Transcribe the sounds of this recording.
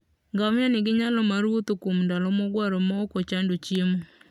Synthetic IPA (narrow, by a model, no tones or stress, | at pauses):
ŋɡaŋjɔnɪɡɪɲalɔmaɾot̪okumndɔlɔmɔɡwaɾɔmɔkot͡ʃandot͡ʃemo